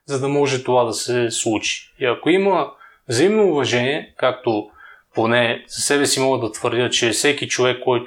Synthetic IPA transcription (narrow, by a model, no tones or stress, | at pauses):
zɐd̪ɐmɔʒɛt̪ovad̪ɐsɛslˠut͡ʃi̥iɐkoimə | vzɐimnoːvɐʒɛniɛkak̚t̪oponɛz̥ɐsɛbɛsimɔɡəd̪ɐt̪vəɾd̪ʲɤt͡ʃɛfsɛkit͡ʃovɛkːɔjt̪